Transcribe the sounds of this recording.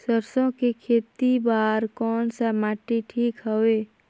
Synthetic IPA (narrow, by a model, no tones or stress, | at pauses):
səɾsõkikʰeːt̪ibaːɾkɔːnsamaːʈiʈʰiːkɦəweː